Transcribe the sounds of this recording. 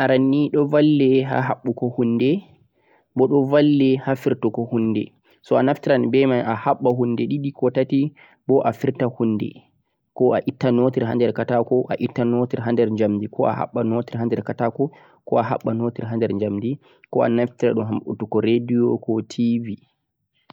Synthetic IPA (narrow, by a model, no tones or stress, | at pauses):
ʔaɾanːiɗɔvalːɛɦa̰ɦa̰ɓːukɔhunːdɛ | bɔɗɔvalːɛhafiɾtɔkɔhundɛ̰ | sɔanaftiɾanbɛmajʔahaɓːaɦundɛɗiɗikɔtati | bɔʔafiɾtahunːdɛ̰ | kɔaʔitːanotiɾɦa̰ndɛɾkatakɔʔaʔitːanotiɾɦandɛɾɲd͡ʒamdikʰɔa̰ha̰ɓːanotiɾɦandɛɾkatakɔ | kɔaɦa̰ɓːanotiɾɦandɛɾɲd͡ʒamdi | kɔa̰naftiɾa̰ɗunɦamɓṵtukɔɾediɔkɔtʰivi